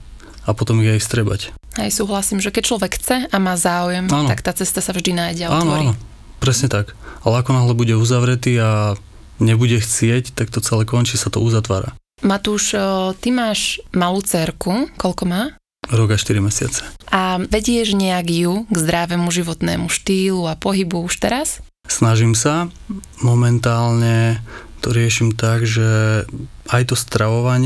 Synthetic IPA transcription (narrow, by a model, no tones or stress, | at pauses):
apɔt̪ɔmiɣajst̪ɾɛba̰chɛjsuːɦlasiːmʒɛkɛc̚t͡ʃlɔʋɛkxt͡sɛamaːzaːujɛmaːnɔakt̪aːt͡sɛst̪asavʒd̪inaːjɟɛaɔaːnɔɔɾainɔ | pɾɛsɲɛt̪akalɛakɔnaɦlɛbuɟɛuzaʋɾɛt̪iːa | ɲɛbuɟɛxt͡sɪɛct̪ak̚t̪ɔt͡sɛlɛkɔɲt͡ʃisat̪ɔ̰uzat̪ʋa̰ːɾa̰ | mat̪uːʃt̪imaːʒmaluːt͡sɛɾkukɔʎkɔmaː | ɾɔɡaʃt̪iɾimɛsɪa̰t͡sɛ̥ʔaʋɛɟɪɛʒɲɛaɡjuɡzd̪ɾaʋɛmuʒiʋɔt̪nɛ̰ːmuʃt̪iːluapɔɦibuuʃt̪ɛɾas | snaʒimsa | mɔmɛnt̪aːlɲɛ | t̪ɔɾɪɛʃimt̪aɡʒɛ | ajt̪ɔst̪ɾaʋɔʋaɲɪ